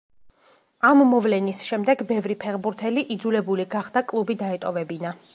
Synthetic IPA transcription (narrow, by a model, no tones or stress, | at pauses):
amːɔvlɛnisʃɛmd̪ɛɡbɛvɾipʰɛʁbuɾt̪ʰɛliʔid̪zulɛbuliɡaχd̪akʼlˠubid̪aɛt̪ʼɔvɛbina